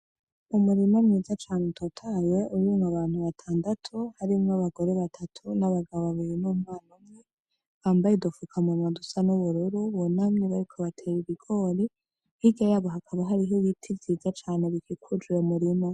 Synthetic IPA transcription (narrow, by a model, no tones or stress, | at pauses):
umuɾimo̞mŋiːzat͡ʃaːnetʰotʰajeʔujuŋaβaːn̥huβatʰaːndatʰuhaɾimŋaβaɡo̞ɾeβatʰatʰunaβaɡaβoβaβiɾinuːmŋaːnomŋe | βaːmbajidufukʰamumadusanuβuɾuɾuβonamɲeβaɾikʰoβatʰeɾiβiɡo̞ːɾi | hiɡajaβoɦakʰaβaɦaɾiɦoβitʰivziːzat͡ʃaːne̞βikikʰud͡ʒiɾemuɾimo̞